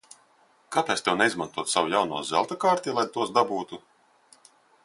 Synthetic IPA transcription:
kat̪ajst̪ɛwnɛizmant̪uɔt̪sawujawnṵɔzɛ̰lˠt̪akaːɾt̪ʲilˠajt̪uɔsd̪abuːt̪u

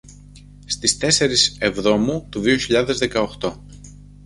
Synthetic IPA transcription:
st̪ist̪e̞se̞ɾise̞vðo̞mut̪uðio̞çiʎɐðe̞zðe̞kɐoxt̪o̞

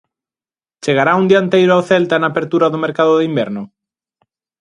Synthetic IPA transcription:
t͡ʃeɣaɾaund̪iant̪ejɾʊawθɛlt̪anaːpeɾt̪uɾaðʊmeɾkaðʊðimbɛɾnʊ

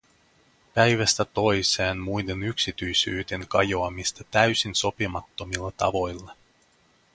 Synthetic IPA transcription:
pæjʋæst̪æt̪o̞jseːnmujd̪e̞nyksit̪yjsyːd̪e̞ŋkɑjo̞ɑmist̪ɑt̪æɥsinso̞pimɑt̪ːo̞milːɑt̪ɑ̰ʋo̞jlːɑ

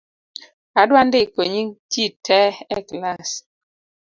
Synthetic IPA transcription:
adwandɪkoɲititʰɛɛklas

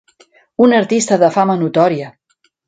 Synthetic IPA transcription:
unəɾt̪ist̪əðəfamənut̪ɔɾiə

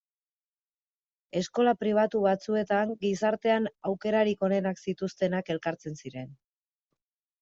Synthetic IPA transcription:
e̞sko̞lapɾiβ̞at̪uβat͡sue̞t̪aŋɡisaɾt̪e̞anawke̞ɾaɾiko̞ne̞naksit̪ust̪e̞nake̞lkaɾt͡se̞nsiɾe̞n

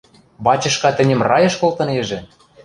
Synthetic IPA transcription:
bɑt͡ɕɤ̆ʃkɑt̪ɘ̆nʲɘ̆mrɑjɤ̆ʃkolt̪ɤ̆neʒĕ

